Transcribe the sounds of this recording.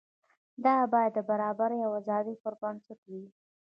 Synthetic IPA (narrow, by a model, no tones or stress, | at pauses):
d̪ɑbɑjad̪ːəbaɾɑbaɾjawazɑd̪ipʊɾbɑnt͡səkawi